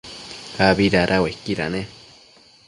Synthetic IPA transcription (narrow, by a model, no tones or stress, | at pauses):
haβiɾaɾʔawekiɾa̰nẽ